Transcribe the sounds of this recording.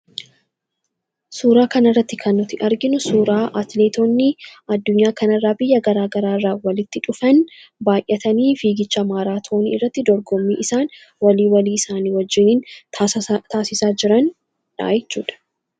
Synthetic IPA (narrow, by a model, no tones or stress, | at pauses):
suːɾaːkɐnɐrːɐt̪ːɪkʰɐnːʊt̪ɪʔɐɾɡɪnʊsuːɾaːʔɐt̪le̞ːt̪oːnːɪɐd̪ːʊɲːaːkɐnɐrːaːbɪjːɐɡɐɾaːɡɐɾaːrːaːwɐlɪt̪ːɪᶑʊfɐnbaːjʔːɐt̪ɐniːfiːɡɪt͡ʃːɐmaːɾaːt̪ʰoːnḭɪrːɐt̪ːɪd̪ɔɾɡɔmːiːʔɪsaːn | wɐliːwɐliːɪsaːniːwɐd͡ʒːɪniːn | t̪aːsɪsaːd͡ʒɪɾɐn | ᶑa̰ːjɛt͡ʃːuːᶑɐ̥